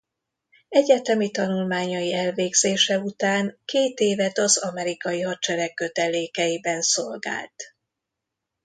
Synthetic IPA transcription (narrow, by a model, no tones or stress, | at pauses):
ɛɟɛt̪ɛmit̪ɒnulmaːɲɒjiɛlveːɡz̥eːʃɛut̪aːŋkeːt̪eːvɛt̪ɒzɒmɛɾikɒjiɦɒt̪̚t͡ʃɛɾɛkːø̞t̪ɛleːkɛjibɛnsolɡa̰ːlt̪